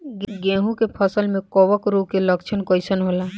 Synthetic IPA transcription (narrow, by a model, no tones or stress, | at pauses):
ɡɡẽːɦũkepʰəsəlmẽkɔʋəkɾukeləkt͡ʃʰənkɔɪsənɦoːla